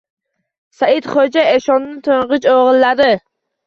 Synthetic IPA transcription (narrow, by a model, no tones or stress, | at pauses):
saɪd̪χod͡ʒaeʃɒnːɪt̪ʰoɴʁɨt͡ʃoʁɨlːad̪ɪ